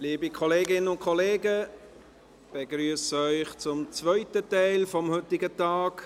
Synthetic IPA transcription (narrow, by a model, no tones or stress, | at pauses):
liːbikʰɔleːɡɪnənʊnt̚kʰɔleːɡə | b̥eɡɾyəsœʏχt͡sʊmt͡svœʏtətɛɪlfɔmhʏtːɪɡətɑːk